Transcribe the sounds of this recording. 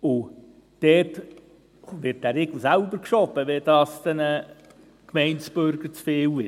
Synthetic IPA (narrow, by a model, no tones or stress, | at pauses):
ʊ | d̥ɛːt | ʋɪt̚d̥æɾeɡl̩sælbəɾkʃɔbəʋɛd̥ɑːst̪ɛnə | kmɛɪntt͡sb̥øɾɡ̥əɾt͡sfeːwɪ